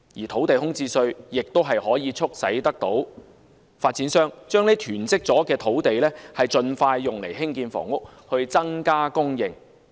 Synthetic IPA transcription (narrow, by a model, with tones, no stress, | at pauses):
jiː˨˩t̪ʰo˨˥wt̪e˨jɦʊ˥ŋt͡siː˥sɵ˧ɥjɪ˨k̚t̪o˥wɦɐ˨jhɔː˨˥jiː˨˧t͡sʰʊ˥k̚sɐ̰˨˥jt̪ɐ˥k̚t̪o˨˥w | faː˧t̚t͡siː˨˥nsœː˥ŋt͡ʃœː˥ŋne˥jt̪ʰyː˨˩nt͡sɪ˥k̚t͡sɔː˨˥kɛː˧t̪ʰo˨˥wt̪e˨jlɛː˥hɐ˨jt͡sɵ˧nfaː˧jːʊ˨ŋle˨˩jɦɪ˥ŋkiː˧nfɔ̰ː˨˩ŋʊ˥k̚ | hɵ˧ɥt͡sɐ˥ŋkaː˥kʊ˥ŋjɪ˨ŋ